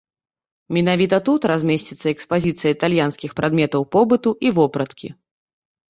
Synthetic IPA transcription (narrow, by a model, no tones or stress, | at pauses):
mʲinavʲit̪ɐt̪ut̪razʲmʲesʲt͡sʲit̪sːɐɛkspazʲit̪sɨjɐit̪alʲjanskʲixpɾad̪mʲɛt̪ɐwpɔbɨt̪uʔivɔpɾɐt̪kʲʰḭ